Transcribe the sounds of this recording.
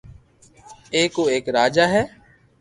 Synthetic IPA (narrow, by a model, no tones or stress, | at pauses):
eːkoːeːkɾaːd͡ʒaːɦɛː